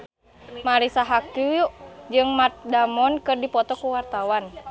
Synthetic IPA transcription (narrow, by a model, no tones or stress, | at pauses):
maɾisaɦakuud͡ʒɨŋmat̪̚damɔnkɨrdipɔt̪ɔkuwart̪awan